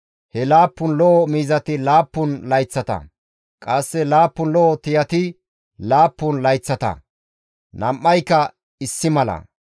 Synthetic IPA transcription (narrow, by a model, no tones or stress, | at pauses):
hɛlaːpːʊnlɔʔɔmiːzɐt̪ɪlaːpːʊnlɐjt͡sːɐt̪ɐ̰ | kʼɐsːɛlaːpːʊnlɔʔɔt̪ɪjɐt̪ɪ | laːpːʊnlɐjt͡sːɐt̪ɐ̰ | nɐmʔːɐjkːɐ | ɪsːɪmɐlɐ̰